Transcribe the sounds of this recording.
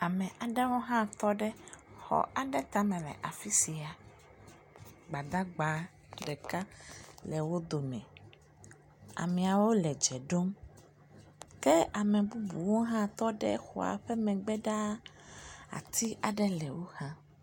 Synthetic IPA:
a˨mɛ̃˨ʔa˨ɖɛ˦wo˦ɦã˦t̪ɔ˦ɖɛ˦xɔ̰˨ʔa˨ɖɛ˦t̪a˦mɛ̃˨lɛ̰˨ʔa˨fi˦si˨a˨ | ɡ͡ba˨d̪a˦ɡ͡ba˨˦ | ɖɛ˨ka˦lɛ˨wo˦d̪o˨mɛ̰̃˨ | a̰˨mɛ̃˨a˨wo˦lɛ˨d͡ʒɛ˨ɖo˦m | kɛ˦a˨mɛ̃˨bu˦bṵ˨wo˦ɦã˦t̪ɔ˦ɖɛ̰˦xṵ˨a̰˨ɸɛ˦mɛ̃˨ɡ͡bɛ˦ɖa˦ | a̰˨t̪ʰi˦ʔa˨ɖɛ˦lɛ˨wo˦hã˦

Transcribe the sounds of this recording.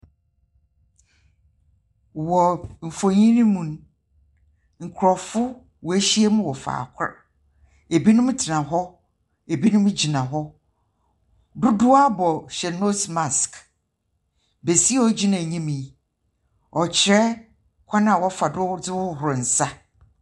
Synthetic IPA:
wɔ˨m̩˨fõ˨ɲĩ˦nĩ˦mũ˨n˦ | ŋ̩˨kʷʰɾɔ˨fʊ˦ | wɔ˨e˦ɕi˦e˦mʊ̃˦wɔ˨fa̰ː˨kʰʊ˦ɾ | e˨bi˦nʊ̃˦m˦tʰɪ˨nã˨ɦɔ˦ | e˨bi˦nʊ̃˦m˦d͡ʑi˨nã˨ɦɔ˦ | dʊ˦dʊ˦a˦bɔ˨ɕɛ˨no˦sma˨sk | be˨si˦ɔ˦d͡ʑi˦nã˨ɲĩ˦mĩ˨˦ | ɔ˨t͡ɕʰɪ˨ɾɛ˦ | kʷʰa˦nã˨wɔ˦fa˨dʊ˦dɪ˦wʊ˦ɦʊ˨ɾʊ˨n̩˨sa˦

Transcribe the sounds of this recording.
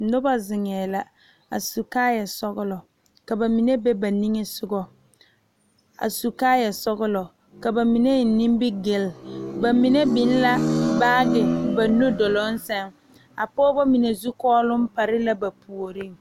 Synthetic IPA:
nʊ˦ba˦zɪ˨ŋɛː˨la˨ | a̰˨su˨kaː˦ja˨sɔ˦ɣʊ˦lɔ˨ | ka˨ba˨mi˨ne˦bɛ˦ba˨ni˦ŋe˦sʊ˦ɡɔ˦ | a̰˨su˨kaː˦ja˨sɔ˦ɣʊ˦lɔ˨ | ka˨ba˨mi˨ne˦˨ni˦mbɪ˦ɡɪ˨lba˨mi˨ne˦bɪ˨˦n˦la˦baː˦dɪ˨ba˨no˦dɔ˨lɔ˦n̩˦sɛ˦ŋ | a˨pɔː˦bɔ˦mi˨ne˨zu˦kɔː˦lʊ˦m̩˦pa˨ɾɪ˦la˦ba˨pu˨o˨ɾi˦ŋ

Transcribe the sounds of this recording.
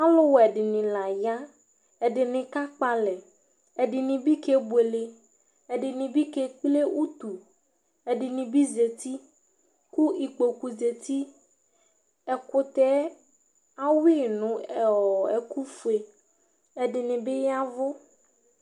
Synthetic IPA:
a˦lo˦wɛ˨ɖɪ˨nɪ̃˨la˨ja˦ | ɛ˨ɖɪ˨nɪ̃˨ka˦k͡pa˦lɛ˨ | ɛ˨ɖɪ˨nĩ˨bi˦ke˦bwe˨le˨ | ɛ˨ɖɪ˨nĩ˨bi˦ke˦k͡ple˦wʔu˦t̪u˨ | ɛ˨ɖɪ˨nĩ˨bi˦ze˨t̪i˦ | ku˦i˨k͡po˨ku˨ze˨t̪i˦ | ɛ˨kʊ˦t̪ɛ˦ | a˦wi˦nũ˨ɛ˨ɔ˨ɛ˨ku˦fu˨e˨ | ɛ˨ɖɪ˨nɪ̃˨be˦ja˦vʊ˦

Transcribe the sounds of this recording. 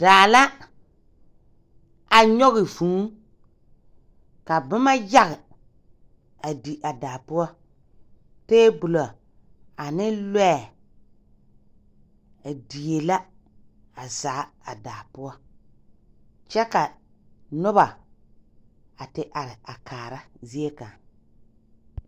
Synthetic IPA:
d̥aː˨la˦ | a˨ɲɔ˦ɣɪ˨vu˨˦ | ka˨bʊ˦ma˦ja˦ɣɪ˨ | a˨di˨ʔa˨daː˨pʊ˦ɔ˦ | teː˦bʊ˨lɔ˨ | a˨nɪ˦lwɛ˦˨ | a˨di˨je˨la˦ | a˨zaː˨˦a˨daː˨pʊ˦ɔ˦ | t͡ʃɛ˦ka˨nʊ˦βa˨ | a˨tɪ˨ʔa˨ɾɪ˨a˨kʰaː˨ɾa˦zi˦e˦ka˨ŋ

